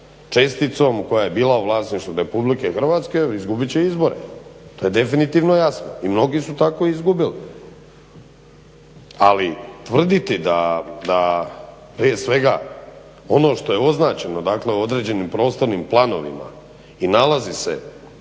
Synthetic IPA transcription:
t͡ʃe̞st̪it̪so̞mko̞jaje̞biːlˠauʋlˠaːsniʃt̪vuɾe̞publike̞xr̩ʋaːt̪ske̞izɡubit͡ɕe̞izbo̞ɾḛt̪o̞ːje̞d̪e̞finit̪iːʋno̞jasno̰imno̞ɡisut̪ako̞izɡubili | a̰lit̪ʋr̩d̪it̪id̪ad̪a | pɾije̞sʋe̞ɡa | o̞no̞ːʃt̪o̞je̞o̞znaːt͡ɕeno̞d̪akle̞uo̞d̪ɾe̞d͡ʑe̞nimpɾo̞ːst̪o̞ɾnimplˠano̞̰ʋḭma̰ | inalazise̞̰

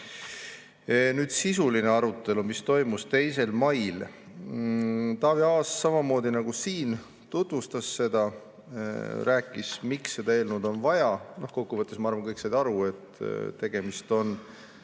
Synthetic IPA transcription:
nyːd̪̥sisulineɑɾut̪ːˑe̞lumist̪o̞jmust̪e̞jse̞lmɑjl | t̪ɑːviɑːsːɑmɑmo̞ːd̪inɑɡusiːn | t̪ut̪vust̪ɑsːe̞d̪̥ɑ | ræːkːˑismiksːe̞d̪ɑe̞ːlnud̪̥o̞nvɑjɑno̞hko̞kːuvɤt̪ːˑesmɑɑrvɑnŋkɤjksed̪ɑɾue̞t̪ːt̪e̞ɡ̥e̞mist̪o̞n

